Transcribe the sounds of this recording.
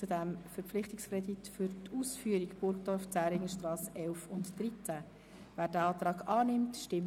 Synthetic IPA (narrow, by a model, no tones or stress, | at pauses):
t͡sudɛmfɛɾp͡fflɪχtɪkskrɛditfʏɾtuːsfyːəɾikb̥ʊɾkd̥ɔrft͡sæːɾɪŋəʃtrɑːsʔɛlfʊntːrit͡sæ | væːd̥æɑːt̪rɑːɡɑːnɪmtʃtɪm